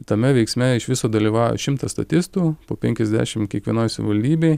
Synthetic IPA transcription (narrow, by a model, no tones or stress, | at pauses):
t̪ɐmʲɛʋʲɛɪksʲmʲɛɪʃʋʲɪsoːd̪ɐlʲiːʋɑːjo̰ʃʲɪmt̪ɐst̪ɐt̪ʲɪst̪uːpoːpʲɛŋʲkʲɛzd̪ʲæ̰ːʃʲɪmkʲiɛkʋʲiɛnoːjsɐʋʲɪʋɐlʲd̪ʲiːbʲɛɪ